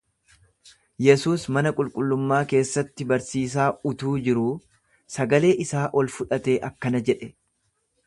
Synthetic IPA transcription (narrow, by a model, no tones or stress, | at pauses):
jɛsuːsmɐnɐkʼʊlkʼʊlːʊmːaːke̞ːsːɐt̪ːɪbɐɾsiːs̬aːʊt̪uːd͡ʒɪɾuː | sɐɡɐle̞ːʔɪsaːʔɔlfʊᶑɐt̪e̞ːʔɐkːɐnɐd͡ʒɛᶑɛ